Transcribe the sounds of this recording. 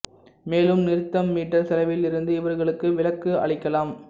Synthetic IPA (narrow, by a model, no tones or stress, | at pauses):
meːlɯmnɪɾɯt̪ːɐmːiːʈːɐɾsɐlɐɪʋɪlɪɾɯnd̪ɯɪʋɐɾɣɐɭɯkːɯʋɪlɐkːɯɐ̰ɭɪkːɐlaːm